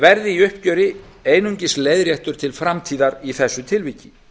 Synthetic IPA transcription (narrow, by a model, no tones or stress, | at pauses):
vɛɾðɪiʏhpcœːɾɪ | eːjnuɲcɪsleːjðɾjɛht̪ʏɾ̥t̪ʰɪlfɾamt̪ʰiːðaɾiθɛsːʏt̪ʰɪlviːcɪ